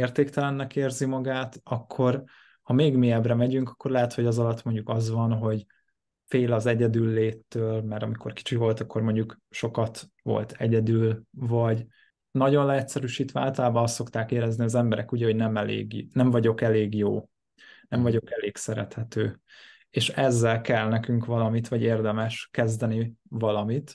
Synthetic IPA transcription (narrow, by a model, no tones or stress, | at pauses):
eːrt̪eːkt̪ɛlɛnːɛkeːrzimɒɡaːt̪ɒkʰːo̞r | hɒmeːɡmiɛbrɛmɛɟyŋkɒ̥kːo̞rlɛɦɛt̪ho̞ɟɒzɒlɒt̪mo̞ɲɟukɒzʋɒnɦo̞ɟ | feːlɒzɛɟɛd̪ylːeːt̪ːøːlmɛɾɒmikʰo̞rki̥t͡ʃivo̞lt̪ɒkːo̞rmo̞ɲɟukʃo̞kɒt̪ | ʋo̞̰lt̪ʰɛɟɛd̪ylvɒɟ | nɒɟo̞nlɛɛt̪sɛɾyʃiːt̪ʋɛa̰ːlt̪ɒlaːbɒnɒst̪ːo̞kt̪aːkeːɾɛzniɒzɛmbɛɾɛkuɟɛho̞ɟnɛmɛlḛːɡnɛɱvɒɟo̞kɛleːɡjo̰ː | nɛɱvɒɟo̞kɛleːksɛɾɛt̪hɛt̪øː | eːʃɛzːɛlkɛlnɛkyŋkʋɒlɒmit̪ʋɒɟeːrd̪ɛmɛʃkɛzd̪ɛnivɒlɒmit̪